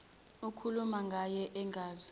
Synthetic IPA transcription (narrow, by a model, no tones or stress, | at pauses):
ukʰulumaŋɡʱajɛʔɛŋɡʱaːzi